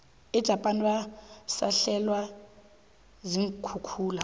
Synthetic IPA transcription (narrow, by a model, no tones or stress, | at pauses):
ɛd̥ʒ̥ʱapʼaniwasa̰ɬɛlwa | ziŋ̩kʰukʰuːla